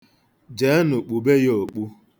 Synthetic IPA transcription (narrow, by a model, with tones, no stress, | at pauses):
d͡ʒe˨˦nʊ˨k͡pu˨be˦jo˨k͡pu˦